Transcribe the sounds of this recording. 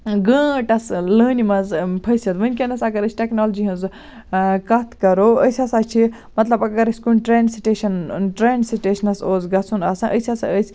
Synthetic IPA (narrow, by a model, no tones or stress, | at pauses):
ɡə̃ːʈɐsləːnimɐzpʰɐjsɐt̪ʋɐnʲkʲenɐsɐɡɐɾəsʰʲʈeknold͡ʒiɦɐ̃z | kɐt̪ʰkɐɾoəjsʲɐsɐt͡ʃʰi | mɐt̪lɐbɐɡɐɾəsʲkunʈɾeːnɖsiʈeʃɐnʈɾeːnɖsiʈeʃɐnɐsoːzɡɐt͡sʰunɐsɐ̃ʔəsʲɐsɐ̰əsʰʲ